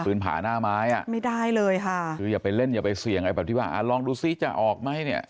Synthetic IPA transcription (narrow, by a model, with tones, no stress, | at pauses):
pɯː˦˥npʰa̰ː˩˦naː˥˩maː˦˥jʔa˨˩ʔma˥˩jda˥˩jlɤː˧jkʰa˥˩kʰɯː˧jaː˨˩pa˧jle˥˩njaː˨˩pa˧jsi˨˩˦ŋ˧jbɛː˨˩t̪i˥˩aː˧˩ʔa̰˧˩lɔː˧ŋduː˧si˧˥˩t͡ɕa˨˩ʔɔː˨˩k̚ma˦˥˩jni˥˩ɐ